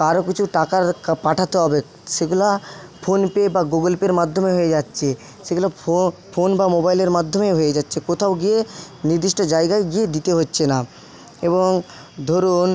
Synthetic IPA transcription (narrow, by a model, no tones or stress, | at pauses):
aɾokit͡ɕʰuʈakaɾpaʈʰat̪eɦɔbe | ʃeɡulapʰonpebaɡuɡolpeɾmad̪ʱːomeɦoed͡ʑatːɕʰe | ʃeɡulafonbamobajleɾmad̪ʱːomeɦoed͡ʑatːɕʰekot̪ʰaoɡie | niɾd̪iʃʈod͡ʑaeɡaeɡied̪it̪eɦotːɕʰena | eboŋ | d̪ʱoɾun